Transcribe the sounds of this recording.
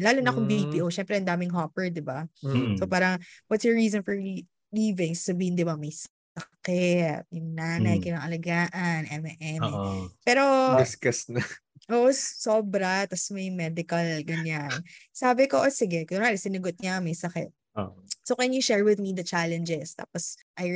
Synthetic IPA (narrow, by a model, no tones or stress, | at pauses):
laːlʊnɐkoŋbipiːʔoʃɛmpɾɛʔɐnd̪aːmɪŋɦapɛɹd̪ɪbasopaːɾɐŋwɐt̪sjɔɹiːzɔnfɔɹ | liːveŋsːɐbiːhɪnd̪ɪbamɐjs | ɐkɛt̪̚jʊŋnaːnɐjkɪnɐŋʔɐlɐɡaːʔɐnʔɛmɛʔɛmɛpɛːɾo̞ɪskɐsnɐʔoʔssoːbɾɐt̪ɐsmɐjmɛd̪ɪkɐlɡɐɲansaːbɪkoʔsɪɡɛkɐaɾɛsɪnɐɡot̪̚ɲɐmɐjsɐkɛ̰t̪̚ | osokwɛnjʊʃɛɹwɪðmid̪ɐt͡ʃalɛnd͡ʒɛst̪a̰ːposʔɐj